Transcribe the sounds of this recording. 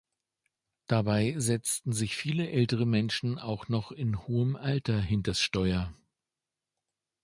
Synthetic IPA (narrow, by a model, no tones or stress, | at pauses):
d̥abaɪzɛt͡stn̩zɪçfiːləʔɛltəʁəmɛnʃn̩aʊxnɔχɪnhoːəmʔaltɐɦɪntɐsʃtɔʏɐ